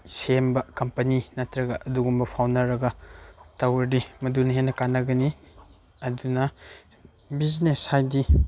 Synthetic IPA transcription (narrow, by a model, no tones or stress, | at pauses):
sembɐkɐmpɐninatɾɐɡɐʔɐduɡumbɐpʰawnɐɾɐɡɐtawɐdimɐdunɐɦenːɐkanɐɡɐni | ɐdunɐ | bizneshajdi